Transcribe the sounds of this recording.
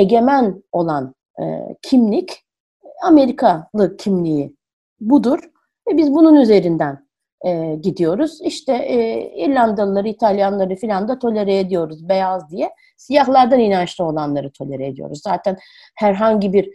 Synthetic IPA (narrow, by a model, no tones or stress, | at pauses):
e̞ɟʲe̞mæno̞lˠan̰ | cʰimlʲic | ame̞ɾikʰalˠɯcʰimlʲiji | bud̪uɾ̥ | vɛbizbununyze̞ɾind̪æn | ɛɟid̪ijo̞ɾuz̥iʃt̪ʰɛʔiɾlʲand̪alˠɯlˠaɾɯit̪ʰalʲjanlˠaɾɯfilʲand̪at̪ʰo̞lʲeɾɛed̪ijo̞ɾuzbe̞jazd̪ijɛ | sijaɦlˠaɾd̪aninant͡ʃlʲio̞lˠanlˠaɾɯt̪ʰo̞lʲeɾɛed̪ijo̞̰ɾuzːaːt̪ʰæn | hæɾɦaɲɟibiɾ